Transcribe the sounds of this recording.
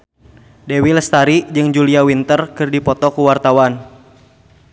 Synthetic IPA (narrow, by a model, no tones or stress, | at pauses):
dewiləst̪aɾid͡ʒɨŋd͡ʒuliawint̪ərkɨrdipɔt̪ɔkuwart̪awan